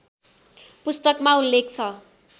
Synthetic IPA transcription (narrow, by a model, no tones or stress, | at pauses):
pust̪ʌkmaulːek̚t͡sʰʌ